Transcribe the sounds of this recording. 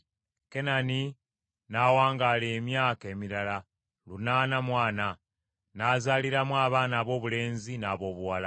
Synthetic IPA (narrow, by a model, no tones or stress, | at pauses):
ke̞nani | naːwaːŋɡaːle̞ːmjaːke̞ːmiɾala | lunaːnamwaːna | naːzaːliɾamwaːβaːnaːβo̞ːβule̞ːnzinaːβo̞ːβuwala